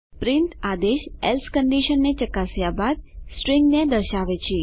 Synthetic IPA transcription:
pɾɪnt̪ad̪eʃelskəɳɖiʃənːet͡ʃəkasjabad̪̚sʈɾiŋɡnẽd̪əɾʃaʋet͡ʃʰe

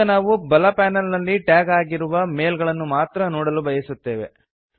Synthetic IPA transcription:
ɐnaːʋubɐlɐpaːnɐlnɐlːiʈjaːɡaːɡiɾuʋɐme̞ːlɡɐɭɐnːumaːt̪ɾɐnoːɽɐlubɐjɐsut̪ːe̞ːʋe̞̰

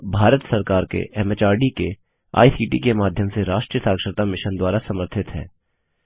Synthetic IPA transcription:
bʱaːɾət̪sɐɾkaːɾkḛʔɛmet͡ʃaːɾɖike | a̰ːisiːʈikemaːd̪ʱjəmseɾaːʃʈɾijəsaːkʃəɾt̪amɪʃənd̪waːɾasɐməɾt̪ʰɪt̪ɦɛ̰ː

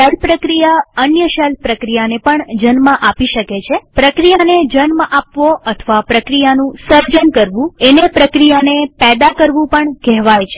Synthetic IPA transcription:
ɛlpɾəkɾijaənjəʃɛlpɾəkɾijanepəɳd͡ʒənmãʔapiʃəket͡ʃʰepɾəkɾijaned͡ʒənmapʋoət̪ʰəʋapɾəkɾijanũsəɾd͡ʒənkəɾʋũenepɾəkɾijanepɛd̪akəɾʋũpəɳkɛɦʋajt͡ʃʰe̥

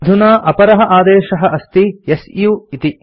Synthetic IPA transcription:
d̪ʱunaːʔɐpɐɾɐɦɐ̆ʔaːd̪ɛːʃɐɦɐ̆ʔɐst̪ijesjuit̪i

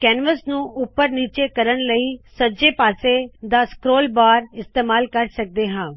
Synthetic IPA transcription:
kɛːnʋəsnũːʔʊpːəɾniːt͡ʃeːkəɾənləiːsəd͡ʒeːpaːseːd̪aːskɾoːlbaːɾɪst̪eːmaːlkəɾsək̚d̪eːɦãː

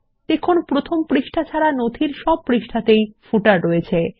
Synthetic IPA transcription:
d̪̥ekʰonpɾot̪ʰompɾiʃʈʰat͡ɕʰaɾanod̪ʰʱiɾʃɔb̚pɾiʃʈʰat̪ejfuʈaɾːoet͡ɕʰe

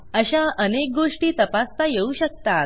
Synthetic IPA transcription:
əɕaʔənek̚ɡoʂʈiːt̪əpast̪ajeuɕək̚t̪at̪̚

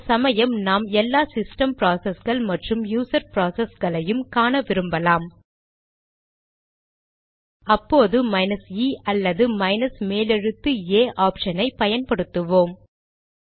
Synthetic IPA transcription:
sɐmɐjɐmnaːmɛlːaːsɪsʈɐmpɾaːsɐsɣɐɭmɐʈrɯmjuːsɐɾpɾaːsɐsɡɐɭɐjɯmkaːnɐʋɪɾɯmbɐlaːm | ɐpːoːðɯmɐɪnɐsiːɐlːɐðɯmɐɪnɐsmeːlɛɻɯt̪ːɯeːʔaːpʂɐnɐɪpɐjɐnpɐɽɯt̪ːɯʋoːm

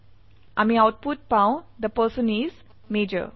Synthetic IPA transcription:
ʔa̰mĩaʊʈ̚puʈ̚pãʊ̃d̪əpəsə̃niz | meːd͡ʒə̰

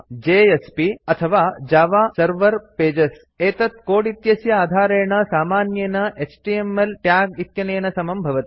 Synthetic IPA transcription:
d͡ʒeːespiɐt̪ʰɐʋaːd͡ʒaːʋaːsɐɾʋɐɾpeːd͡ʒɐs | eːt̪ɐt̪̚koːɽit̪jɐsjɐaːd̪ʱaːɾeːɳɐsaːmaːnjenɐʔet͡ʃʈiemelʈjaːɡit̪jɐnɐjɐnɐsɐmɐmbʱɐʋɐt̪i̥

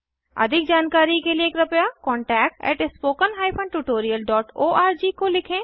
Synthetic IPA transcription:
ɐ̰d̪ʱɪk̚d͡ʒaːnkaːɾikelieːkɾɐpjakɔ̃ːɳʈɛːkʈɛ̰ːʈɪspoːkənɦaːipʰɐ̃ɳɖʈuʈoːɾijəlɖɔːʈoːʔaːɾd͡ʒiːkolɪkʰẽː

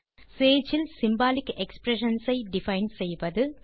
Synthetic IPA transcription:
seːd͡ʒɪlsɪmbaːlɪkːɛkspɾɛʂɐnsɐɪɖɪfɐɪnsɛjʋɐðɯ

